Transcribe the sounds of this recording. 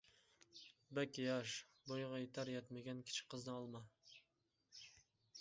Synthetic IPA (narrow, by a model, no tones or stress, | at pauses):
bakʲijaʃbojʁɑet̪ʰaɾjat̪maɡʲankʲʰɪ̥t͡ʃʰɪ̥qʰːɨznɪɒlˠma